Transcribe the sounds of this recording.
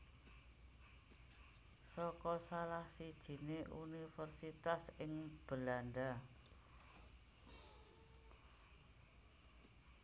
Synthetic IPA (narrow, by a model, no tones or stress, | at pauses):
sɔkɔsalahsid̥ʒ̥i̤neʔṵnifərsit̪asɪŋb̥əlanɖa